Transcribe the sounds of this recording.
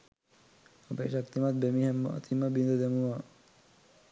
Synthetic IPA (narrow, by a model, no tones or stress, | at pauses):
abeʃak̚t̪imat̪̚bemiɦem̰t̪ʰimabind̪od̪emua